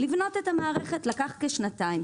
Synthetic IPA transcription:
livno̞t̪ethamaːʁeχetlakaχkeʃnatajm

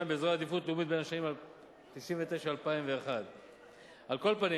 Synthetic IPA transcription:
jmbeezʁaad̪ifut̪lumit̪̚benaʃanimal | piʃinvet̪eʃaalpaimve̞ːχad̪ | alko̞lpani

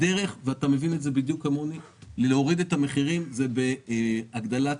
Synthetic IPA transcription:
de̞ʁe̞χveatame̞vinetze̞bid̪jukamuni | leo̞ʁid̪e̞tame̞χiʁimzebeaɡd̪ala

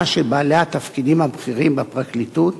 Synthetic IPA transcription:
ʃebaːleat̪afkid̪imabχiʁimbepʁaklit̪ut̪

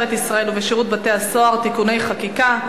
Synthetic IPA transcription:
et̪isʁae̞luveʃiʁut̪̚bat̪e̞aso̞aʁt̪ikune̞jχakika

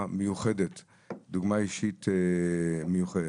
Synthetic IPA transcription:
məjuχɛdɛt | d̪uɡmaiʃit | məjuχɛd

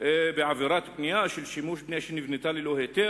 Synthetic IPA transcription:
biʕaviɾˤaːt̪bnɪjaʃɪlʃimuːʃbnaʃinivnit̪aːlilohet̪e

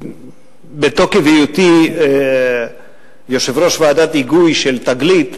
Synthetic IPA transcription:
bet̪o̞kevijut̪i | joʃevɾo̞ʃvaːd̪at̪iɡujʃelt̪aɡlit̪

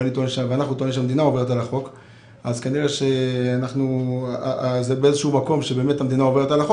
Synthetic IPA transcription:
anit̪oniʃaveanaχnut̪oniʃeamed̪inaove̞ʁet̬alaχo̞k | azkaniʁeʃeanaχnu | zebeezeʃumako̞mʃebe̞ːme̞thamed̪inao̞ve̞ʁetalaχo

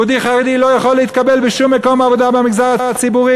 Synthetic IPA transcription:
ud̪iχaʁed̪ilo̞jaχolːeit̪̚kabelbeʃumːeko̞mavo̞d̪abemiɡzaʁaʁat͡sibuʁi

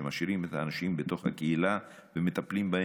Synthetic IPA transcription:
emaʃiʁimet̪haːnaʃimbet̪o̞χha̰keila | vemet̪aplimba

